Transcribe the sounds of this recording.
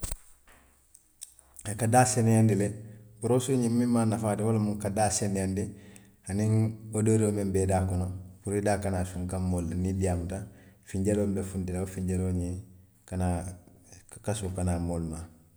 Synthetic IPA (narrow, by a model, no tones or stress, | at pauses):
ekadaːsenjandilebuɾosuɲimmːimmanafaːtiwolomuŋkadaːsenjandi | haniŋodoɾomembedaːkɔnopuɾidaːkanasuŋkamːoːlːanidijamutafiɲɟelombefundileofiɲɟeloɲi | kana | kasukanaːmoːlma